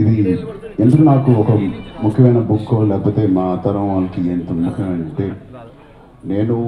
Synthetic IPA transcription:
id̪i | end̪ukunaːkuɔkɐmukʰjɐmɐjnɐbukʰːolɛːkɐput̪e̞ːmaːt̪ɐɾɐ̃mʋaːnɐkieːnt̪umːukʰɐɐmɐɳɐɳʈeː | neːnu

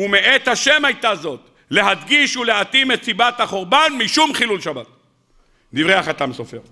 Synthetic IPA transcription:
umeʔet̪haʃe̞majt̪azo̞t̪ | le̞ɦadɡiʃule̞at̪imet̪sibat̪haχoʁbanmiʃumχilulʃabat̪̚ | divʁeaχat̪amsofeʁ

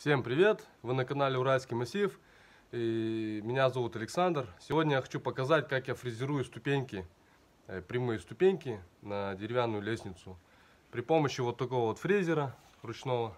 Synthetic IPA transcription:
fsʲempɾʲɪvʲe̞t̪ | vɨnəkɐnalʲɪʊɾalʲskʲijmɐsʲijf | imʲɪnʲazɐvut̪ɐlʲɪksand̪rsʲɪvʲo̞dʲnʲəjaxɐt͡ɕupəkɐzatʲkakjafɾʲɪzʲɪɾujʊst̪ʊpʲenʲkʲɪ | pɾʲɪmujɪst̪ʊpʲenʲkʲɪnədʲɪɾʲɪvʲanːʊjʊlʲesʲnʲɪt̪sʊ | pɾʲɪpo̞məɕːɪvo̞t̪ːɐko̞vəvo̞t̪fɾʲizʲɪɾə | rʊt͡ɕno̞və

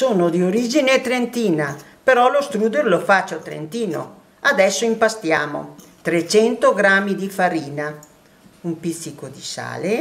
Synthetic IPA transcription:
soːnod̪ioɾid͡ʒinet̪ɾent̪iːna | peɾɔlost̪ɾuːd̪oɾlofat͡ʃːot̪ɾḛnt̪iːno̰ | ad̪ɛsːoimpast̪ja̰ːmo̰ | t̪ɾet͡ʃɛnt̪oɡɾamːid̪ifaɾiːna | umpit̪sːikod̪isa̰ːle

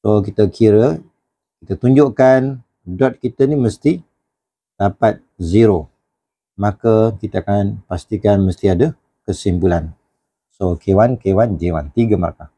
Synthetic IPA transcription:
sokit̪əkʰiɾə | kit̪ət̪uɲd͡ʒʊʔkan | dɔt̪̚kit̪əniməst̪i | dapat̪̚ziɾo | makəkit̪əakanpast̪ikanməst̪iadə | kəsimpulan | sokewankewand͡ʒewa̰nt̪iɡəməɾaka

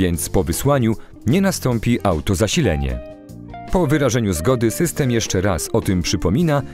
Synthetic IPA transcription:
ɛnt̪spɔvɘswaɲu | ɲɛnast̪ɔmpʲiʔawt̪ɔzaɕilɛ̰ɲɛ̰ | pɔvɘɾaʐɛɲuzɡɔd̪ɘsɘst̪ɛmjɛʂt͡ʂɛɾa̰sɔt̪ɘmpʂɘpɔmʲina

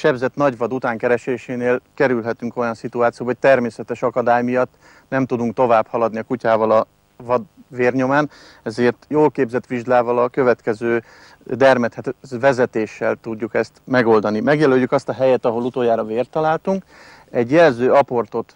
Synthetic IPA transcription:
ʃɛbzɛt̪nɒɟvɒd̪ut̪aːŋkɛɾɛʃeːʃeːneːlkɛɾylɦɛt̪yŋko̞jɒnsit̪uaːt̪sijoːbɦoc̚t̪ɛrmeːsɛt̪ɛʃɒkɒd̪aːjmijɒt̪ː | nɛmt̪ud̪uŋk̚t̪o̞vaːbhɒlɒd̪niɒkucaːvɒlɒ | vɒd̪veːrɲo̞maːn | ɛzeːrt̪joːlkeːbzɛt̪ʋiʒd̪aːvɒlɒkø̞vɛt̪kɛzøː | d̪ɛrmɛt̪hɛvɛzɛt̪eːʃːɛlt̪uɟːukɛst̪mɛɡo̞ld̪ɒnimɛɡjɛløjːukɒst̪ɒɦɛjɛt̪ɒɦo̞lut̪oːjaːɾɒveːrt̪ɒlaːlt̪uŋk | ɛɟjɛlzøːɒpo̞rt̪o̞t̪

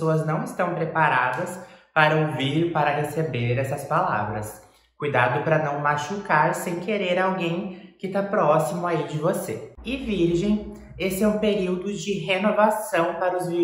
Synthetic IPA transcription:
oɐznɐ̃w̃ɪst̪ɐ̃w̃pɾepaɾad̪ɐspaɾɐoviɾpaɾɐɦesebeɾɛsɐspala̰vɾɐs | kujd̪ad̪ʊpɾɐnɐ̃w̃maʃukaɾsẽj̃keɾeɾawɡẽj̃kɪt̪apɾɔsimʊaid͡ʒɪvoseɪviɾʒẽj̃ | esɪɛũpeɾiwd̪ʊd͡ʒɪɦenovasɐ̃w̃paɾɐʊzviɾ

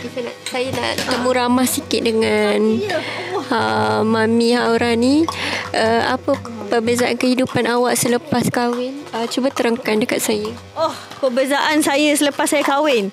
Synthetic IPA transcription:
it̪əna̰ʔsajana̰t̪əmũɾamahsikɪt̪̚dəŋan | əmãmĩhaʔuɾaniʔəa̰pəpərbəzaʔa̰nkəhidupanawaʔsələpaskawɪnət͡ʃubat̪əɾəŋkandəkat̪̚sajə | ɔh | pərbəzaʔansajəsələpasːajəkawɪn

